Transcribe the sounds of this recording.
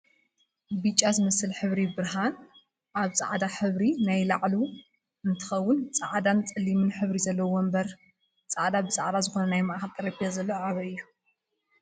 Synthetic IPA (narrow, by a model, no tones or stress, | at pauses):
bɨt͡ʃʼazɨmɐsɨlħɨβɾibɨɾɦan | ʔaβt͡sʼa̰ʕd̪aħɨβɾinajlaʕlu | ɨnt̪ʰɨ̥xɐwːʊnt͡sʼaʕd̪ant͡sʼɨlːimɨnħɨβɾizɐlːɐwombɐɾ | t͡sʼaʕd̪abɨt͡sʼa̰ʕd̪azɨxo̞nɐnajmaʔxak̪ʼɐɾɐpʰijazɐlːoʕaβɐɨjːu